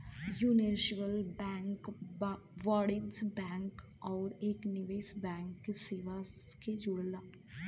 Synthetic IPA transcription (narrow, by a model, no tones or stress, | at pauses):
juːneʃʋəlbɛːŋk | ʋaːɽɪsbɛ̃ːŋk | ɔːɾeːknɪʋeːsbɛ̃ːŋkːeseːʋaked͡ʒʊɽla